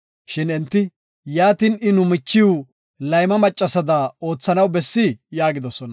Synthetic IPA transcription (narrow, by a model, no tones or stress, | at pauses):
ʃɪnɛnt̪ːɪ | jaːt̪inɪnʊmɪt͡ʃːɪjʊ | lɐjmɐmɐt͡ʃʼːɐsɐd̪ɐo̞ːt͡sːɐnɐwbɛsːɪjaːɡɪd̪ɔsɔnɐ